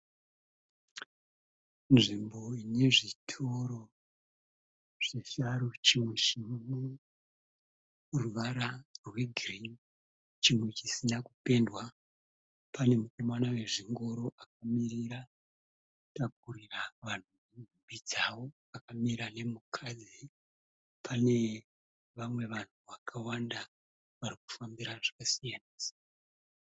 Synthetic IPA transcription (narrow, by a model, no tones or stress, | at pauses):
nʐimbo̞ineʐitʰoɾo̞ | ʐ̥eʃaɾut͡ʃimwe̞t͡ʃimumwe | ruʋaɾarweɡʱrin | t͡ʃimwe̞t͡ʃisinakupe̞ndwa | pane̞muko̞manawe̞ʐiŋɡo̞ɾo̞ʔak̚amiɾiɾa | tak̚uɾiraʋan̤uninbʱumbid͡zawo̞ | akamiɾane̞mukʰad͡zi | pʰane̞ | ʋamwe̞ʋan̤uʋakʰawanda | ʋaɾiku̥fambiɾaʐakasijaniːsḁ